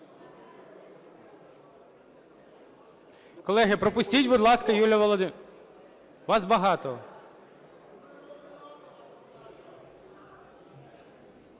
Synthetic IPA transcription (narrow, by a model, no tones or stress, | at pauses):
kɔlˠɛɦɪpɾɔpʊsʲtʲitʲbʊd̪lˠɑskɐjulʲɐʋɔlˠɔd̪ɪ | ʋɑzbɐɦɑt̪ɔ